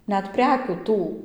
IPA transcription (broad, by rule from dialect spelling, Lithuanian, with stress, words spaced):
ˈnʲɛt ˈpʲrʲæːkʲuː ˈtuː